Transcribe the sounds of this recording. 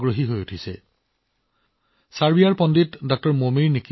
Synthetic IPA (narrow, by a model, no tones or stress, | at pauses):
ɡɹoɦiɦojutʰisɛ̰ | saɹbiaɹpɔnditdɔk̚tɔɹmomiɹniki